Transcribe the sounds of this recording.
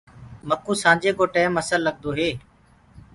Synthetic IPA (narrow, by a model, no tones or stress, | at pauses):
məkũːsãːd͡ʒeːkoːʈeːməsəlːəɠ̚d̪oːɦeː